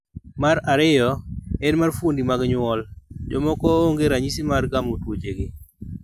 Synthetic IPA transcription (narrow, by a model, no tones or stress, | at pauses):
maɾaɾɪjɔɛnmarfwondimaɡɲʊɔld͡ʒɔmɔkɔoŋɡeɾaɲisimarɡamotwod͡ʒeɡɪ